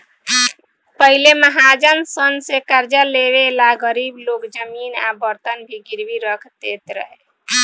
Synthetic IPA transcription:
pəɦileməɦad͡ʒənsənsekəɾd͡ʒəlebelaɡəɾiblokd͡ʒəminabəɾt̪ənbʱiɡiɾbiɾəkʰd̪et̪ɾə̰ɦe

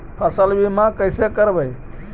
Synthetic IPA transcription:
pʰəsəlbimãkəjsekəɾbəj

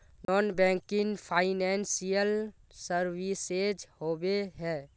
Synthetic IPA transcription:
nɔːnbɛ̃ŋkɪŋpʰaɪnɛnsijəlsəɾwised͡ʒhobeɦɛː

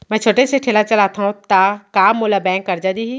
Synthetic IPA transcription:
mɛ̃ːt͡ʃʰoːʈeseʈʰeːlat͡ʃɐlaːt̪aɦũt̪akaːmːoːlabɛ̃ːŋkːɐɾd͡ʒad̪iːɦi

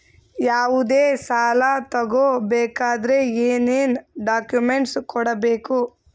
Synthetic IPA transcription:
jaːʋud̪eːsaːlɐt̪ɐɡoːbeːkaːd̪ɐɾeeːneːnɖaːkjumeɳʈskɔɽɐbeːku

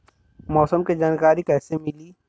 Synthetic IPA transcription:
mɔːsəmked͡ʒaːnkaːɾikɛːsemɪliː

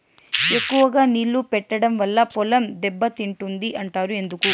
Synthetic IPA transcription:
ekːuʋɐɡaːnilːupɛʈːɐɽɐmʋɐlːɐpɔlɐmd̪ɛbːɐt̪iɳʈund̪iʔɐɳʈaːɾue̞nd̪uku

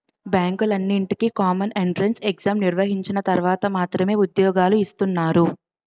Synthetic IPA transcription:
baːŋkulɐnːiɳʈikikaːmɐneɳʈɾenseɡzaːmniɾʋɐɦiɲt͡ʃinɐt̪ɐɾʋaːt̪ɐmaːt̪ɾɐme̞ːud̪jɔːɡaːluist̪unːaːɾu

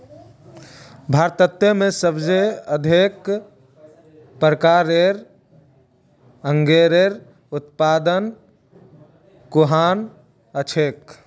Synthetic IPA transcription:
bʱaɾt̪ət̪ːemesəbd͡ʒeəd̪ʱek | pɾəkaɾeɾ | əŋɡeɾeɾ | ut̪pad̪ən | kuɦan | ət͡ʃʰek

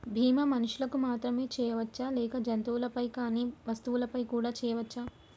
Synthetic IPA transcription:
bʱiːmɐmɐnuʂulɐkumaːt̪ɾɐme̞ːt͡ʃɛːjɐʋɐt͡ʃːaːlɛːkɐd͡ʒɐnt̪uwulɐpɐjkaːniːʋɐst̪uʋulɐpɐjkuːɽaːt͡ʃɛːjɐʋɐt͡ʃːa

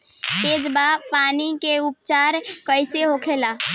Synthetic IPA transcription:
ed͡ʒbapanikeup̚t͡ʃaɾkəɪseɦokʰela

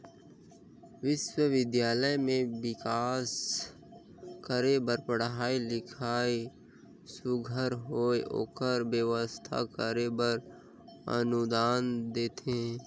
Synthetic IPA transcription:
ʋɪʃwəʋɪd̪jaːləjmẽʋɪkaːs | kəɾebəɾpəɽɦaːilɪkʰaːi | sʊɡʱəɾɦoːeo̰ːkəɾbjəʋəst̪ʰa̰kəɾebəɾ | ə̰nʊd̪aːnd̪eːt̪e

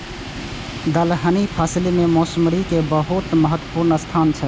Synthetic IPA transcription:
d̪əlɦənipʰaːslimemoːsmɾikebəɦut̪məɦət̪wəpuɾnəst̪ʰant͡ʃʰə

